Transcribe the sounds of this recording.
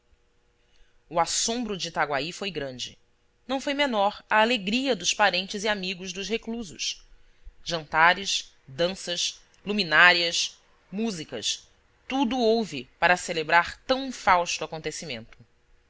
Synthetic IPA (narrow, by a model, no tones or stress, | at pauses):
uasõmbɾʊd͡ʒɪt̪aɡwaifojɡɾɐ̃nd͡ʒɪ̰ | nɐ̃w̃fojmenɔɾɐːleɡɾiɐd̪ʊspaɾẽnt͡ʃɪziamiɡʊzd̪ʊʃhekluzʊ̰ʃ | ʒɐ̃nt̪aɾɪʃ | d̪ɐ̃sɐʃ | luminaɾiɐs | muzikɐʃ | t̪ud̪ʊowvɪpaɾɐselebɾaɾt̪ɐ̃w̃fawst̪uakõnt̪esimḛ̃nt̪ʊ̥